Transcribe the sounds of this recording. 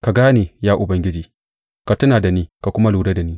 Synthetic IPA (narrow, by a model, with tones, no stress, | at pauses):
ka˨ɡaː˦neː˨jaː˦ʔʊ˨bɐ˨ŋɡʲɪ˦d͡ʒiː˨ | ka˨tʊ˦naː˨da˨niː˦ka˨kʷʊ˦ma˦luː˨ɾe˦da˨niː˦